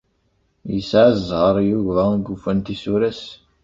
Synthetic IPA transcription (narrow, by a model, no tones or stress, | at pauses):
jəsʕazzʁəɾˤjuʝvæɡufænt̪isuɾæs